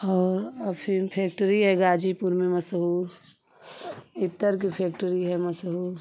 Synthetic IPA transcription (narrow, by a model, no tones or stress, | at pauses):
ɔːɾəpʰinpʰeːk̚ʈəɾiɦɛɡaːd͡ʒipuɾmẽmɐsɦuːɾ | ɪt̪ːəɾk̬ipʰeːkʈəɾiɦɛmɐsɦuːɾ